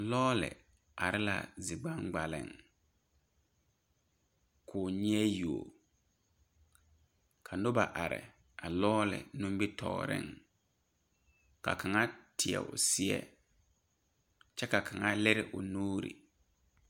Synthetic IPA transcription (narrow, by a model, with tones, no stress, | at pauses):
lɔː˦lɪ̰˨ | a˨ɾɪ˦la̰˨zɪ˨ɡ͡ba˦ŋɡ͡ba˨lɪ̰˨ŋ | kʰʊː˨ɲ˦ɛ˦ju˨o̰˨ | kʰa˨nʊ˦ba˨ʔa˨ɾɪ̰˨ | a˨lɔː˦lɪ̰˨nũ˦mbi˦tʰɔ̰ː˨ɾɪ̰˦ŋ | ka̰˨kʰa˨ŋa˦tʰɪ˨ɛ̰˨ʊ̰˨sɪ˦ɛ̰˦ | t͡ʃɛ˦ka˨kʰa˨ŋa˦lɪ˦ɾɪ˦ʔʊ˨nuː˦ɾḭ˨